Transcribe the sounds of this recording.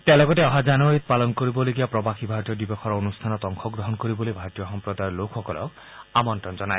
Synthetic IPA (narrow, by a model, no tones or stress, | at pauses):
t̪ealɔɡɔteɔɦad͡ʒanɔaɾit̪̚palɔnkoɾibɔleɡiapɾɔbaxʰibʱaɾt̪ijɔd̪ibɔkʰɔɾɔonust̪ʰanɔt̪ɔŋkʰɔɡɾɔɦɔnkɔɾibolibʱaɾt̪ijɔxɔmpɾɔd̪ajɔlokʰxɔkɔlɔ̰k | amɔntɾɔnd͡ʒɔnae